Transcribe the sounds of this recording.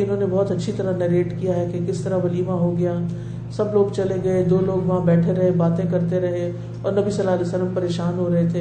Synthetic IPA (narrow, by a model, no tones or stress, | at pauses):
ɪnɦõːnebɔɦt̪ɐtːʃʰit̪ɐɾanɐɾeːʈkijaɦɛkekɪst̪ɐɾaʋɐliːmaɦoɡɐjãː | sɐbloːɡt͡ʃɐleɡɐed̪oːloːɡʋɐɦãbɛːʈʰeɾɐɦebaːt̪ẽkɐɾt̪eɾɐɦe | ɔːɾnɐbisɐlːaɦɐlɛːsəlːəmpɐɾeːʃaːnɦoɾɐɦet̪ʰeː